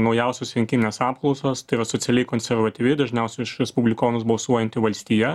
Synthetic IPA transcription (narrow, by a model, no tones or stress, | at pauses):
nɐʊjɛʊsʲoːsʋʲɛŋʲkʲɪnʲɪnʲeːsɑːpklˠɐʊsoːst̪ɐɪɾɐsotsʲɛlʲɛɪkoːnʲsʲɛɾʋɐt̪ʲiʋʲɪd̪ɐʒʲnʲɛʊsʲɛʊɪʃɾʲɛspʊbʲlʲɪkoːnʊsbɐlˠsuɔjɛnʲt̪ʲɪʋɐlʲsʲt̪ʲiːjɛ